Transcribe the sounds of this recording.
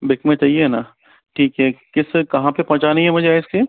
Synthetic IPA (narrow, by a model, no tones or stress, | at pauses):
bɪkmẽt͡ʃaːɦieɦːnaː | ʈʰiːkɦɛkɪskɐɦãpepɔ̃t͡ʃanɐɦĩɦɛmʊd͡ʒʱeaːɪske